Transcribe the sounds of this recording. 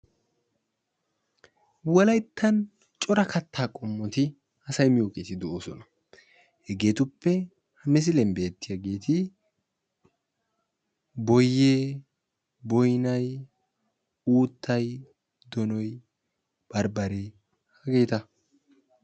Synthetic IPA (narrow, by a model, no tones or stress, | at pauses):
wɔlɐjt̪ʰːɐn | t͡ʃʼɔɾɐkɐt̪ʰːaːkʼɔmːɔt̪ɪ | ɐsɐjmɪjoːkʼeːt̪ɪd̪ɔoːsɔnɐ | hɛɡe̞ːt̪ʊpːɛ | hɐmɛs̬ɪlɛmbe̞ːt̪ːɪjɐɡe̞ːt̪ʰɪ | bɔjːeː | bɔjnɐj | uːt̪ʰːɐj | d̪ɔnɔj | b̥ɐɾbɐɾe | hɐɡe̞ːt̪ɐ